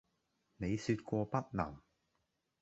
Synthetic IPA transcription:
ne˨˧jsyː˧t̚kʷɔː˧pɐ˥t̚nɐ˨˩m

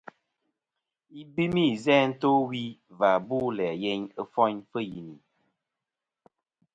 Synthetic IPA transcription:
i˦bi˦mi˦˨zɛ˦n̩˦to˦wi˦va˨buː˦lɛ˨je˦ɲə˦fɔ˦ɲfə˦ji˨ni˨

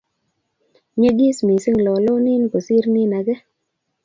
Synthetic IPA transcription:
ɲe˦ɡi˦smi˨si˦ŋlɔ˨lɔ˦nɪ˦nko˨si˦ɾni˦na˨ɡɛ˦

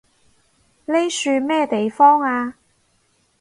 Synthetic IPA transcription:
le˥jsyː˧mɛː˥t̪e˨jfɔː˥ŋaː˧

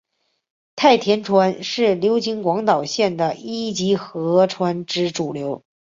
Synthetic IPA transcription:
t̪ʰa˥˩ɪt̪ʰjɛ˧˥nʈ͡ʂʰwa˧˥nʂɻ̩˥˩ljo˧˥ʊt͡ɕi˧˥ŋkwɑ˧˥ŋt̪ɑ˨˩ʊɕjɛ˥˩nd̪ə˩i˥t͡ɕi˧˥xɤ˧˥ʈ͡ʂʰwa˧˥nʈ͡ʂɻ̩˥ʈ͡ʂu˨˩ljo˧˥ʊ

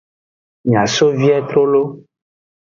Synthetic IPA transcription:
ɲ˨ã˨so˦vi˦ɛ˦t̪ɾo˦lo˦

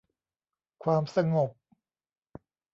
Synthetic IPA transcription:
kʰwaː˧msa˧ŋo˨˩p̚

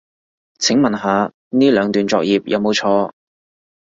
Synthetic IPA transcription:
t͡sʰɪ˨˥ŋmɐ˨nɦaː˨˧ | niː˥lœː˨˧ŋt̪yː˨nt͡sɔː˨˧k̚jiː˨˩p̚jʔɐ˨˧wmo˨˧wt͡ʃʰɔː˧

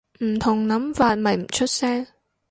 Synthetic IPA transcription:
m̩˨˩t̪ʰɔ˨˩ŋna˨˦mvaː˨˩t̚ma˨˩˨t͡ɕʰɔ˦˥t̚sɛː˧

